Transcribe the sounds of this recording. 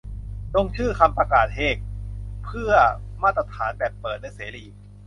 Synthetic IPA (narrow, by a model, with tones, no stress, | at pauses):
lo˧ŋt͡ɕʰɯː˥˩kʰa˧mpɾa˧kaː˨˩t̪̚heː˨˩k̚pʰɯ˥˩ɐmaː˥˩t̪ɾa˧t̪ʰaː˩˦nbɛː˨˩pːɤː˨˩t̪̚na˧jseː˩˦liː˨˩